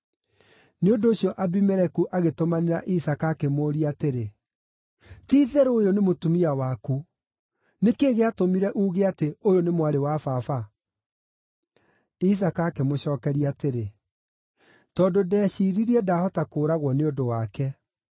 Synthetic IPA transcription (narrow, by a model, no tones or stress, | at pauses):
neondoːɕjɔʔabimɛɾɛkuʔaɣetomaneɾa̰ʔisakaːkemoːɾiateɾe | tiːðɛɾojonemotumiawaku | nekeːɣeatomiɾɛʔuːɣeateojonemwaɾewafaːfa | is̬akaːkemoɕɔːkɛɾiaːteɾe | tɔndodɛɕiːɾiɾiɛdahɔtakoːɾaɣwɔneondowakɛ